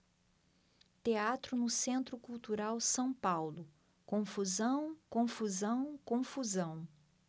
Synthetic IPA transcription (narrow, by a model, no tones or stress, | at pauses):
t̪eat̪ɾʊnʊsẽnt̪ɾʊkuwt̪uɾawsɐ̃w̃pawlʊ | kõfuzɐ̃w̃kõfuzɐ̃w̃kõfuzɐ̃w̃